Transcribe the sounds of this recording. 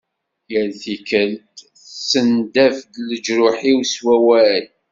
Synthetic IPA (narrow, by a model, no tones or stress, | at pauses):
jəlθikəlt̪ | sənd̪æfdləd͡ʒɾʊħiwswæwæl